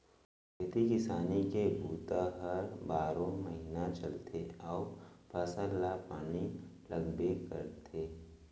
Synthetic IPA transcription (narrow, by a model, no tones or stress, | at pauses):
kɪt̪ikɪsaːnikebʱuːt̪aɦɐɾbaːɾõmɐɦiːnat͡ʃɐlt̪ʰeɔːpaːsəlːapaːnilɐɡbekɐɾt̪ʰeː